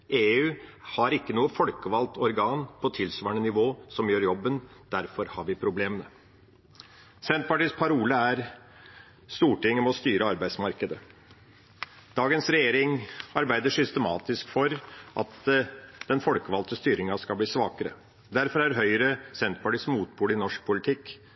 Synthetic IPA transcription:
ʔeːʉːhɑɾɪkːənuːəfɔlkəʋɑlt̪ɔɾɡɑːnpʰɔt̪ʰɪlsʋɑːɳənɪʋoːsɔmjøːɾjɔbːənd̪̥æɾfɔɾhɑɾʋɪpʰɾʊbleːmənə | sɛnt̪̚pɑʈiːspʰɑɾuːləæɾ | st̪uːʈɪŋːɔmɔst̪yːɾəɑɾbæɪsmɑɾkəd̪ə | d̪̥ɑːɡənsɾɛjeːɾɪŋɑɾbæɪd̪əʂʏst̪əmɑ̰ːt̪ɪskfɔɾʔɑ̰t̪d̪̥ɛnfɔlkəʋɑlt̪əst̪yːɾɪŋɑskɑlbliːsʋɑːkəɾə̰ | d̪æɾfɔɾæɾɦœʏɾəsɛnt̪̚pɑʈiːsmuːt̪̚buːlɪnɔʂk̚pʰʊlɪt̪ʰɪkː

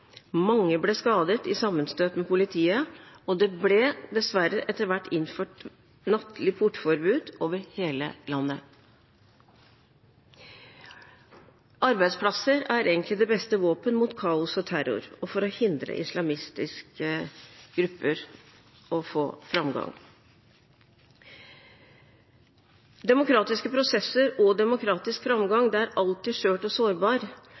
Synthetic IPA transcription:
mɑŋːəblɛskɑːd̪ət̪ɪsɑmːənst̪øːt̪mɛpʊlɪt̪ʰiːəɔd̪ɛblɛd̪ɛsʋæɾəʔɛt̪ːəɾʋæʈːɪnføːʈ | nɑt̪ʰlɪpʰʊʈːfɔɾbʉːd̪oːʋəɾheːlə̰lɑnːə | ʔɑɾbæɪd̪spʰlɑsəɾæɾeːɡənt̪lɪd̪ɛbɛst̪əʋoːpənmuːt̪kʰɑːʊsɔt̪ʰæɾʊ̰ɾɔfɔɾɔhɪnd̪ɾə̰ʔɪslɑmɪst̪ɪskəɡ̥ɾʉpʰːəɾ | ɔfoːfɾɑmɡɑ̰ŋ | d̪ɛmʊkʰɾɑːt̪ɪskəpʰɾʊsɛsːəɾɔd̪ɛmʊkʰɾɑːt̪ɪskfɾɑmɡɑŋd̪ɛæɾɑlt̪ɪʂøːʈɔsoːɾbɑːɾ

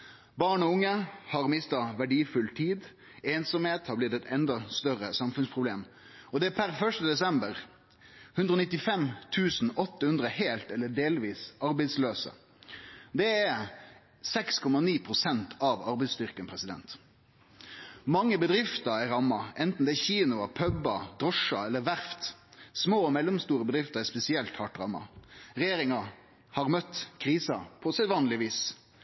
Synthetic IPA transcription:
bɑːɳɔʊŋːəhɑʁmɪst̪ɑʋæɖiːfʉlt̪ʰiːd̪ | eːnsɔmheːt̪hɑblɪd̪ɛt̪ɛnd̪ɑst̪œɾəsɑmfʉnspʰʁʊbleːm | ɔd̪ɛæpʰæɾfœʂʈəd̪ɛsɛmbəʁ | hʉnd̪ɾoːnɪt̪ːɪfɛmt̪ʰʉːsn̩ɔt̪ːəhʉnd̪ʁəheːlt̪ɛlːəɖeːlʋiːsɑɾbɛɪsløːsə̰ | d̪ɛæ | sɛkskʰɔmɑniːpʰʁʊsɛnt̪ʰɑʋɑɾbɛɪst̪ʏʁkənpʰɾɛsɪd̪ɛ̰nt̪ | mɑŋːəbəd̪ʁɪft̪əɾɛɾɑmːɑʔɛnt̪n̩d̪ɛːçiːnʊɑpʰœbɑd̪ɾɔʂɑɛlːəɾʋæɾft̪smoːɔmɛlːʊmst̪uːɾəbəd̪ɾɪft̪əʁɛspɛsɪɛlt̪hɑʈɾɑmːɑ̰ʁɛjeːɾɪŋɑ | hɑʁmœt̪ːkʰɾiːsɑpʰɔsɛt̪ʋɑːnlɪʋiːs

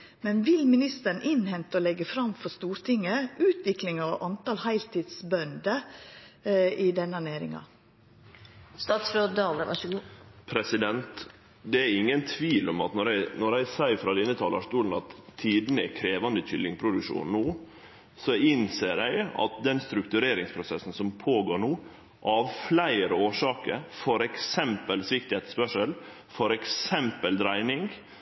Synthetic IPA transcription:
mɛnʋɪlmɪnɪst̪əɾn̩ʔɪnhɛnt̪əɔlɛɡːəfɾɑmfɔst̪uːɾt̪ʰɪŋːəʔʉːt̪ʰʋɪklɪŋɑʋʔɑnt̪ɑːlhæɪlt̪ʰiːd̪sbœnd̪ə | ɪd̪ɛnːəɑneːɾɪ̰ŋɑ̰ | st̪ɑt̪sɾøːd̪ɑːlə̰ | pʰɾɛsɪd̪ɛnt̪ | d̪ɛæɾɪŋːənt̪ʰʋiːlɔmɑt̪nɔɾæɪnɔɾæɪsæɪfɾɑd̪ɪnːət̪ʰɑːləʂt̪uːln̩ɑt̪ʰːiːd̪nəɛ̰kʰɾeːʋɑnd̪əc͡çʏlːɪŋpʰɾʊd̪ʉkʂṵːnnːuː | sɔɪnseːɾæɪɑ̰t̪̚d̪ɛnst̪ɾʉkt̪ʉɾeːɾɪŋspʰɾʊsɛsːn̩sɔmpʰoːɡoːɾɳuː | ʔɑːʋflæɪəɾoːʂɑːkə̰fɔɾɛksɛmpəlsʋɪk̚t̪ɪet̪spœʂəl | fɔɾɛksɛmpəld̪ɾæɪnɪŋ

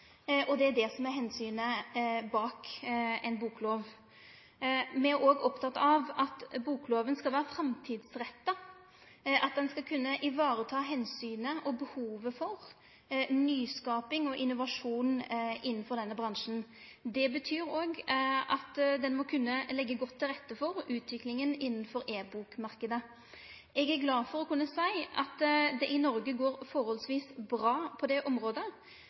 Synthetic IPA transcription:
ʔɔd̪ɛæɖ̪ɛsɔmæɾɦɛnsyːnəbɑːkɛnbuːkloːʋ | mɛæɾoːɡɔpt̪ʰɑt̪ːɑʋɑt̪buːkloːʋənskɑlʋæːɾəfɾɛmt̪ʰiːd̪sɾɛt̪ːə | ʔɑt̪̚d̪ɛnskɑlkʰʉnːəʔɪʋɑːɾət̪ʰɑːɦɛnsyːnəʔɔbəhuːʋəfɔʁ | nyːskɑːpɪŋɔʔɪnːʊʋɑʂuːnʔɪnːənfɔɾd̪ɛnːəbɾɑŋʂn̩ | d̪ɛbət̪ʰyːɾoːɡɑt̪d̪ɛnmɔkʰʉnːəlɛɡːəɡɔt̪ʰːɪlʁɛt̪ːəfɔɾʉːt̪ʰʋɪklɪŋənɪnːənfɔɾeːbuːkmɑɾkəd̪ə | ʔɛɡæɾɡlɑːfɔɾɔkʰʉnːəsæɪʔɑt̪d̪ɛʔɪnɔɾɡəɡoːɾfɔɾhɔlsʋiːsbɾɑːpʰɔd̪ɛʔɔmɾoːd̪ə

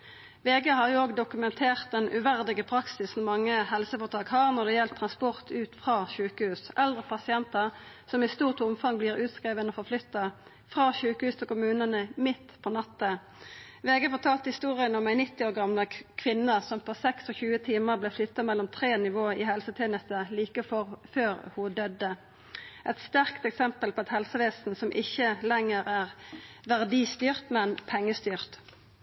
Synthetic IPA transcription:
ʋeːɡeːhɑʁjʊoːɡd̪ʊkʉmɛnt̪ʰeːʁt̪̚d̪ɛnʔʉ̰ʋæʁd̪ɪɡəpʰʁɑksɪsn̩mɑŋːəhɛlsəfɔːʁt̪ʰɑːkhɑːʁnɔd̪ɛjɛlt̪ʰʁɑnspɔʁt̪ʰʉːt̪fʁɑːçʉːkəhʉːsʔɛld̪ʁəpʰɑsɪɛnt̪əʁ | sɔmɪst̪uːʁt̪ʊmfɑŋbliːʁʉːt̪skʁeːʋənɔfɔʁflʏt̪ːɑ | fʁɑːçʉːkəhʉːst̪ʰɪlkʊmʉːnənəmɪt̪ːpʰɔnɑt̪ːə | ʋeːɡəfɔt̪ʰɑːlt̪hɪst̪uːʁɪənɔmæɪnɪt̪ːɪoːʁɡɑmləkʰʋɪnəsɔmpʰɔsɛksɔçʉːət̪ʰiːməʁblɛːflʏt̪ːɑmɛlːɔmt̪ʰʁeːnɪʋoːihɛlsət̪ʰeːnəst̪əliːkəfɔføːʁhʊd̪œd̪ə | ʔɛt̪st̪æʁkt̪ɛksɛmpəlpʰɔːɑt̪hɛlsəʋeːsn̩sɔmʔɪçəlɛŋəʁæːʁʋæʁd̪iːst̪yːʁt̪mɛnpʰɛŋːəst̪yːʁt̪

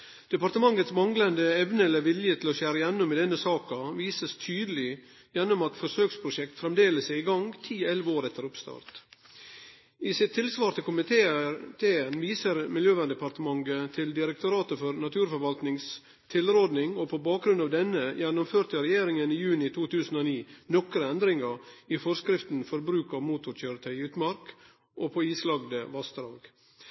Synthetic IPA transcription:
d̪̥ɛpɑɾt̪əmɑŋːət̪smɑŋlənd̪əɛʋnəɛlːəɾʋɪljət̪ʰɪlɔʃæːɾəjɛnːʊmɛd̪ɛnːəsɑːkɑʋiːsəst̪ʰyːd̪əlɪ | jɛnːʊmɑt̪fɔʂøːkspʰɾʊʂɛk̚t̪fɾɛmd̪eːləsæɪɪɡɑŋt̪ʰiːɛlʋoːɾɛt̪ːəɾʊpst̪ɑ̰ːɾt̪ | ɪsɪt̪ʰːɪlsʋɑːɾt̪ʰɪkʊmɪt̪ːt̪ʰeːənʋiːsəɾmɪljøːʋæɳɖ̪ɛpɑɾt̪əmɑŋɡət̪ʰɪld̪ɪɾəkt̪ʊɾɑːt̪əfɔɾnɑt̪ʰʉːɾfɔɾʋɑlt̪nɪŋs | t̪ʰɪlɾoːd̪nɪŋopʰobɑːk̚ɡɾʉnɑːʋd̪ɛnəjɛnʊmføːɾt̪əɾɛjeːɾɪŋəniːjʉːnɪt̪ʰuːt̪ʰʉːsn̩oːniːnɔkɾəɛnd̪ɾɪŋəɾiːfɔɾskɾɪft̪n̩fɔɾbɾʉːkɑʋmuːt̪ʊɾçøːɾət̪ʰœʏʉːt̪mɑɾk | ʔoːpʰoːiːslɑɡd̪əʋɑsd̪ɾɑ̰ːɡ̥

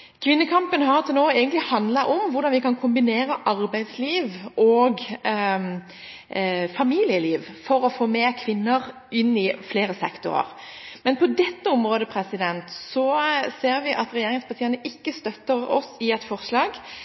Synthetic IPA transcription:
kʰʋɪnːəkʰɑmpənɦɑʁt̪ʰɪlnoːæɪɡənt̪lɪhɑnd̪lɑʔɔmʋʊʁd̪ɑnʋɪkɑnkʰʊmbɪneːɾəʔɑɾbæɪd̪sliːʋʔɔɡ | fɑmiːlɪəliːʋfɔɾɔfoːmeːkʰʋɪnːəʁ | ɪnːɪfleːɾəsɛkt̪ʊ̰ʁə̰ʁ | mɛnpʰɔd̪ɛt̪ːəɔmʁoːd̪əpʰɾɛsɪd̪ɛnt̪sɔseːɾʋɪʔɑt̪ɾɛjeːɾɪŋspɑʁt̪ʰiːənəʔɪkːəst̪œt̪ːəɾɔ̰sɪɛt̪fɔʁslɑːɡ

